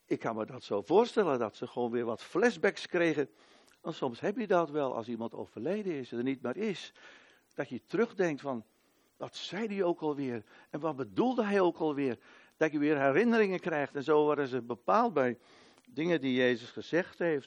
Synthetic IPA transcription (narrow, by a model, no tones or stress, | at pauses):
ɪkːanmədɔtsoːv̥ʊərstɛlˠəndɔtsəxəʋoːnʋɪːrʋɔtflɛsbɛkskrejɣə | ʋɔnsɔmsɦɛpjədɔtʋɛlˠʔɑ̰lˠs̬imɑnto̰wv̥ərlejdəɪsənit̚maɹɪs | d̥ɔtjətrøɣdɛŋk̚tfɔn | ʋɔtsɛjdioːkɔlˠʋɪər | ɛnʋɔt̚bədulˠdəɦɛjokɔlˠʋɪər | d̥ɔtjəʋɪːrɦɛɾɪnəɾɪŋənkrɛjxtɛnzoːʋaɾdəzəbəpaːlˠt̚bɛj | dɪŋədijeːzəsχəz̥ɛxthejft